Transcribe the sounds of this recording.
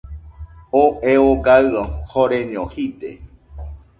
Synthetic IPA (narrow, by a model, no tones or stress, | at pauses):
oʔeoɡaɨohoɾeɲõhit̪ḛ